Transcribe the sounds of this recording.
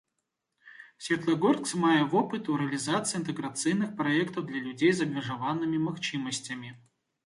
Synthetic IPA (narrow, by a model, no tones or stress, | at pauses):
sʲvʲet̪lˠɐɡort̪ksmajəvopɨt̪ʊɾʲɪlʲɪzat̪sɨɪnt̪ɨɡɾɐt̪sɨjnɨxpɾɐɛkt̪əvd̪lʲɐlʲʉdʲejzɐbvʲɪʐɐvanːɨmʲɪmɐxt͡ɕiməsʲtʲɪmʲɪ